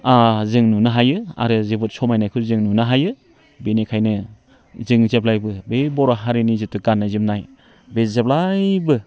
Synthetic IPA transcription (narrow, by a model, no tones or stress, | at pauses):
azɯŋnunaɦajɯa̰ɾɯzebɯt̚sɔmajnajkʰɯzɯŋnunaɦajɯ | benekʰajnɯ | zɯŋzeplajbɯbebɔɾaɦaɾinizitʰuɡanːazimnaj | bezep̚lajbɯ